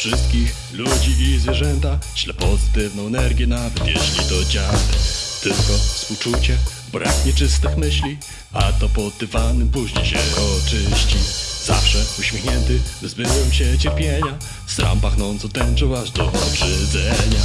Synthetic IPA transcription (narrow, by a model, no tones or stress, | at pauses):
fʂɘst̪̚kʲix | lud͡ʑiʔizvʲjɛʐɛnt̪aɕlɛpɔzɘt̪ɘvnɔ̃w̃ɛnɛɾɡʲjɛnavɛt̪jɛ̰ɕlʲid̪ɔd͡ʑabt̪ɘlkɔfspuwt͡ʂut͡ɕɛ | bɾʔa̰kɲɛt͡ʂɘst̪ɘxmɘɕlʲi | at̪ɔpɔd̪ːɘvanɘmpuɕɲiɕɛɔt͡ʂɘɕt͡ɕiza̰fʂɛuɕmʲjexɲɛnt̪ɘvzbɘwɛmɕɛt͡ɕɛɾpʲjeɲa | st̪ɾa̰mpaxnɔnt̪sɔt̪ɛnt͡ʂɔwaʐd̪ɔʔɔʐɛd̪zɛɲa